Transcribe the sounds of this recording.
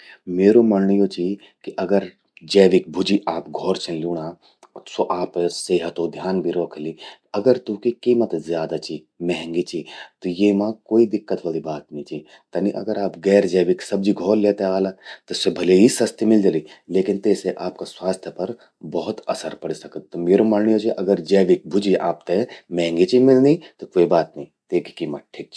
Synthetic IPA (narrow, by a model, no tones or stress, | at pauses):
meːɾomɐnnəjot͡ʃʰi | kiʔɐɡəɾ | d͡ʒɐːʋɪk̚bʱʊd͡ʒiʔaːpɡʱɔːɾt͡ʃʰẽluːɽaː | soʔaːpseːɦət̪od̪ʱjaːnbʱiɾoːkʰɐliɐɡəɾt̪ukikiːmət̪zjaːd̪at͡ʃʰi | mɛɦɛ̃ŋɡit͡ʃʰit̪ojeːmãkoːid̪ɪkːət̪ʋɐːlibaːt̪nɐĩt͡ʃʰi | t̪ɐniʔɐ̰ɡəɾaːpɡɛːɾd͡ʒeːʋɪksɐb̚d͡ʒiɡʱoːlleːt̪eaːlat̪esebʱɐleɦisɐst̪ʰimɪld͡ʒɐlileːkɪnt̪eːseʔaːp̚kaswaːst̪ʰjəpɐɾ | bɐɦʊt̪ɐsəɾpɐɽ̤isɐkət̪̚t̪omeːɾomaːnnijot͡ʃiʔɐɡəɾd͡ʒɐːʋik̚bʱʊd͡ʒiʔa̰ːp̚t̪emɛ̃ɦŋɡit͡ʃʰimɪlnit̪okoːibaːt̪nɐĩt̪eːki̥kiːmət̪̚ʈʰiːk̚t͡ʃʰi